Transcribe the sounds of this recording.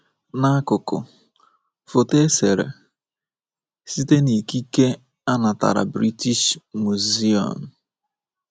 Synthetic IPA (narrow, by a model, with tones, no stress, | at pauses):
na˦a˦kʊ˨kʊ̰˨ | fo˨te˦se˨ɾḛ˨ | si˦te˦ni˨ki˦ke˦ | a˦na˨ta̰˨ɾa̰˨bɾi˦ti˦ʃmu˨zi˦ɔ̰˨m̩˨